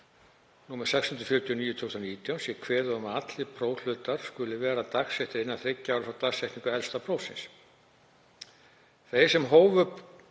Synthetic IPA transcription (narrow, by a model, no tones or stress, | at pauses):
nuːmaɾ̥sɛkshʏnt̪ɾʏ̥fjʏɾt̪ʰjɔniːjʏt̪ʰʏwsaniːt̪jawnsjɛkʰvɛːɾʏɔmat̪lɪpʰɾoːwl̥ʏːt̪aɾ̥skʏlɪvɛːɾat̪aksɛjht̪ɪɾɪnːaθɾecːawɾʏfɾawt̪aksɛjht̪niŋkʏɛlst̪apʰɾoːwsɪ̰ns | θejsɛmɦoːwvʏp